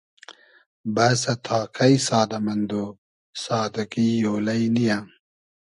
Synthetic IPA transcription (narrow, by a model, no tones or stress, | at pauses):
bɐsɐt̪ʰaːkʰɐisaːd̪ɐmɐnd̪oː | saːd̪ɐkijoːlɐinija